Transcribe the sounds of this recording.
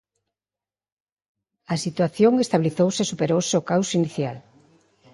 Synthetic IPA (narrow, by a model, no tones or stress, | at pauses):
ɐsit̪waθjoŋest̪aβiliθowsesupeɾowseokawsiniθja̰l